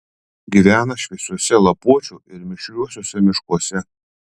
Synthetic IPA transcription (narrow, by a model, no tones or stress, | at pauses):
ɡʲiʋʲæːnɐʃʲʋʲɛsʲuɔsʲɛlˠɐpuɔt͡ʃʲuɪɾmʲɪʃʲlʲuɔsʲoːsʲɛmʲɪʃkuɔsʲɛ